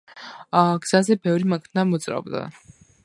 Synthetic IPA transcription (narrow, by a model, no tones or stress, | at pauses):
ɡz̥azɛbɛvɾimakʰnamɔt̪sʼɾa̰bd̪a̰